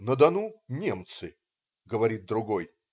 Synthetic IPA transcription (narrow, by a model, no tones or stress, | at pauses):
nəd̪ɐnunʲe̞mt̪sɨ | ɡəvɐɾʲit̪̚d̪ɾʊɡo̞j